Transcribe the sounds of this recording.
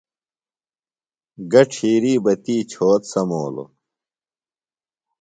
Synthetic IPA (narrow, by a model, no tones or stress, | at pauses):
ɡɐʈ͡ʂʰiːɾiːbɐt̪iːt͡ɕʰoːt̪sɐmoːlo̰